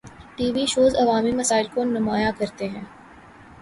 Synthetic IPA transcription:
ʈiːʋiʃoːzɐʋaːmimɐsaːɪlkonʊmaːjakɐɾt̪eɦɛ̃ː

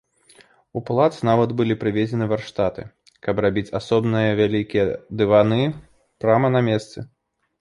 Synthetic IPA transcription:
uplˠat̪snavɐd̪bɨlʲipɾɨvʲed͡zʲɛnɨvarʂt̪at̪ɨ̰ | kɐprabʲit͡sʲasɔbnɨjɐvʲalʲikʲijɛd̪ɨvanɨ | pɾamɐnamʲɛst̪sɨ

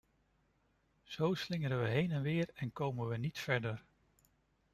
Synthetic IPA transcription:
z̥owslɪŋəɾənʋəɦejnɛnʋɪːɹɛnkowmənʋənitfɛɹdəɹ

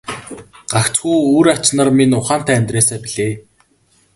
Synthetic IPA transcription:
ɢ̥axt͡sxuːuːɾat͡ɕnărminʊχaːn̥t̪æːmʲt̪reːsæːpiɮeː

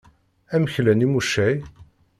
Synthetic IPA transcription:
æməçlænimuʃːæj

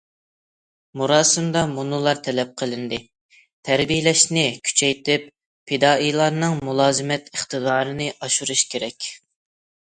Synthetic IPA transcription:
muɾɑːsɨmd̪ɑmunɨlˠɑɾt̪ʰɛlɛp̚qʰəlˠɨnd̪ɨ | t̪ʰɛɾbijlɛʃnɪkʲʰy̥t͡ʃʰɛjt̪ʰɪp̚ | pʰːed̪ɑːʔijlˠɑɾnɨŋmulˠɑːzɨmɛt̪ʰəχt̪ɨd̪ɑːɾɨnɨʔɑʃuɾuʃkʲeɾɛkʲ

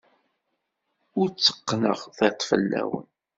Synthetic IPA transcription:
ʊɾt͡sːə̥qːnəʁθet̪ˤːfə̰lːæ̰wə̰n

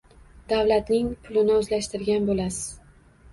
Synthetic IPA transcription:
d̪avlat̪nɪŋpʰʊlɪnɪɵzlaʃt̪ɪɾɡʲanbolasɪz

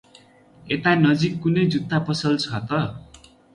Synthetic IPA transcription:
et̪anʌd͡zikːunʌjd͡zut̪ːapʌsʌlt͡sʰʌt̪ʌ

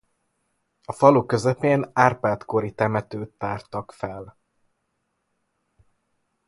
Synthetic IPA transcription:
ɒfɒlukø̞zɛpeːnaːrpaːt̪ko̞ɾit̪ɛmɛt̪øːt̪ːaːrt̪ɒkfɛl

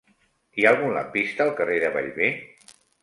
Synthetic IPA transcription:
ialˠɣunla̰pist̪əːlˠkəreðəβa̰ʎβe

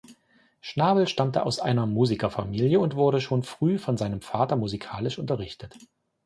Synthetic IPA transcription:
ʃnaːbl̩ʃtamtʰəʔa̰ʊsʔa̰ɪnɐmuːzikɐfamiːljəʊntv̥ʊɐɾəʃoːnfʁ̥yːfɔnzaɪnəmfaːtɐmuzikʰaːlɪʃʔʊntɐʁɪçtət

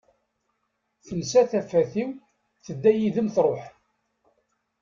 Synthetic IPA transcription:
θənsæθæfːæθiw | θəd̪ːæjiðəmθɾˤoħ

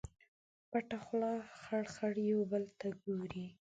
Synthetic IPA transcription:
paʈaxlɑxaɽxaɽjawbəlt̪aɡoɾi

